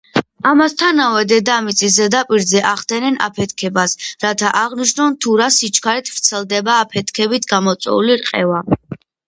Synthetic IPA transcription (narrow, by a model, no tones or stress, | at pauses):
amast̪ʰanavɛd̪ɛd̪amit̪sʼizɛd̪apʼiɾzɛʔaχd̪ɛnɛnʔa̰pʰɛt̪ʰkʰɛbasɾat̪ʰaʔaʁniʃnɔnt̪ʰuɾasit͡ʃʰkʰaɾɛt̪ʰvt̪sʰɛlˠd̪ɛbaːpʰɛt̪ʰkʰɛbit̪ʰɡamɔt̪sʼwɛ̰uliɾqʼɛva